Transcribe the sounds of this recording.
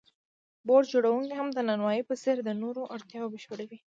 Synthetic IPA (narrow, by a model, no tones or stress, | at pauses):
boɖd͡ʒoɽawuŋkiɦamd̪ənanwɑjipəseɾd̪ənoɾoʔaɽt̪jɑbəʃpəɽawi